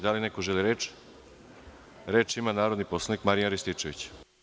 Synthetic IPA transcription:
d̪alinekoʒeliɾeːt͡ʃ | ɾet͡ʃimanaːɾod̪niposlanikmaɾijanɾist̪it͡ʂeʋḭt͡ɕ

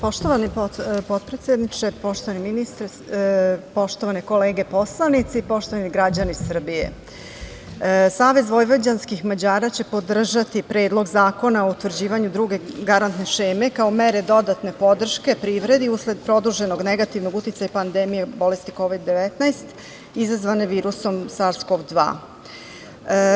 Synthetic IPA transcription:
po̞ʃt̪oʋanipopo̞t̪̚pɾet̪sʲjed̪nit͡ʂepo̞ʃt̪oʋaniminist̪ɾ | po̞ʃt̪o̞ʋaneko̞leːɡe̞po̞slˠanit̪sipo̞ʃt̪o̞ʋaniɡɾad͡ʑanisr̩bijḛ | saːʋe̞zʋo̞jʋod͡ʑanskixmad͡ʑaːɾat͡ɕe̞po̞d̪r̩ʒat̪ipɾe̞ːd̪lˠo̞ɡzaːko̞nao̞ut̪ʋr̩d͡ʑiːʋaɲud̪ɾuɡe̞ɡaɾant̪neʃe̞ːme̞kaomeɾed̪o̞d̪at̪ne̞po̞d̪r̩ʃke̞pɾiːʋɾe̞d̪iusle̞d̪̚pɾo̞d̪uʒe̞no̞ɡneɡat̪iʋno̞ɡut̪it̪sajapand̪emijebo̞le̞st̪iko̞ʋid̪ːe̞ʋet̪najst̪ | izazʋaneʋiːɾuso̞msaɾskovd̪ʋa̰ː

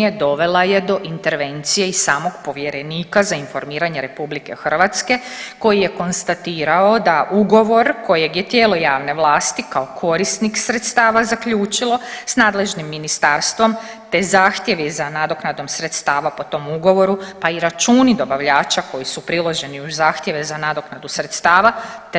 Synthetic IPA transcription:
ed̪o̞ʋe̞laje̞d̪o̞ʔint̪e̞ɾʋe̞nt̪sijeiaːmo̞ɡpo̞ʋje̞ɾe̞niːkazainfo̞ɾmiːɾaɲe̞ɾe̞publike̞̰xr̩ʋat̪ske̞ko̞jijeko̞nst̪at̪iːɾao̞d̪aʔuɡo̞ʋo̞ɾko̞je̞ɡjet̪je̞ːlˠo̞jaːʋne̞ʋlˠaːst̪ikaokʰo̞ɾisniksɾe̞t̪st̪aːʋazakʎuːt͡ʃilˠo̞snaːd̪le̞ʒnimːinist̪aːɾst̪ʋo̞m | t̪ezaːxt̪je̞ʋizanad̪o̞knad̪o̞msɾe̞t̪st̪aːʋapo̞t̪o̞muɡo̞ʋo̞ɾupaiɾat͡ʃuːnid̪o̞baʋʎaːt͡ʃako̞jisupɾilˠo̞ʒe̞niuzaːxt̪jeʋezanad̪o̞knad̪usɾe̞t̪st̪aːʋat̪

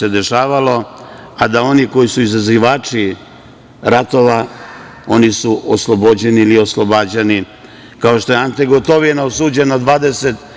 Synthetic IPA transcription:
ed̪e̞ʃaːʋalo̞ | ad̪ao̞niko̞jisuizaziʋaːt͡ʂi | ɾat̪o̞ʋa | o̞nisuʔoslˠo̞bod͡ʑe̞nilio̞slˠo̞bad͡ʑeni | kao̞ʃt̪o̞jeant̪eɡo̞t̪o̞ʋinaosuːd͡ʑe̞nad̪ʋaːd̪e̞set̪

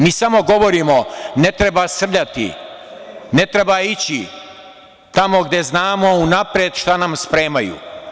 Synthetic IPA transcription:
miːsamo̞ɡo̞ʋo̞ɾiːmo̞ne̞t̪ɾebasr̩ʎat̪ḭ | ne̞t̪ɾebait͡ɕi | t̪amo̞ɡd̪e̞znaːmo̞unapɾjed̪ʃt̪anamspɾeːmajṵː

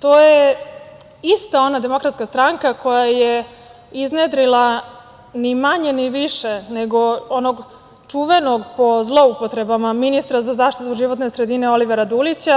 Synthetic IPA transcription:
t̪o̞ːje | ist̪ao̞nad̪e̞mo̞kɾat̪skast̪ɾaŋkakʰo̞jaje | izned̪ɾila | nimaɲe̞niʋiʃeneɡo̞onoɡ | t͡ʂuːʋe̞no̞ɡpo̞zlˠo̞upo̞t̪ɾe̞bamaminist̪ɾazazaːʃt̪it̪uʒiʋo̞t̪ne̞sɾe̞d̪ine̞o̞liʋeɾad̪ulit͡ɕa

